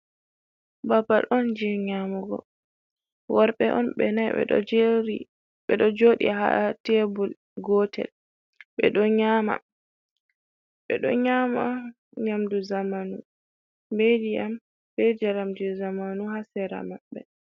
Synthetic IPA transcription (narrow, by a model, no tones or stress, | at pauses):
babaɗɔnd͡ʒiɲamɔɡɔ̰ | waɾɓɛʔɔnɓɛnajɛ̰ɗɔ̰ɾi | ɓɛɗɔd͡ʒoɗḭɦa̰atebul | ɡɔtɛ̰l | ɓɛ̰ɗɔɲama̰ | ɓɛɗɔ̰ɲama | ɲamduzamanu | bediam | bɛd͡ʒaɾamd͡ʒɛzamanuhasɛɾa̰maɓːɛ